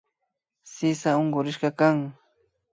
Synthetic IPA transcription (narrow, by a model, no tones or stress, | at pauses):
sɪsaoɴɢʊɾɪʃɢɑkaŋ